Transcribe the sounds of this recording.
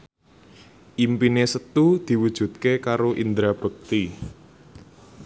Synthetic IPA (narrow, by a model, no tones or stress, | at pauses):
ʔimpinesət̪ud̪̥i̤wud̥ʒ̥ṳt̪̚kekaɾoʔind̪ɾab̥ə̤k̚t̪i